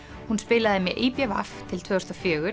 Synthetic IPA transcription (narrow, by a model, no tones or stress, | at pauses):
hunspɪːlaðɪmjɛʔiːpjava̰ft̪ʰɪlt̪ʰvœðɔst̪afjœːɣʏɾ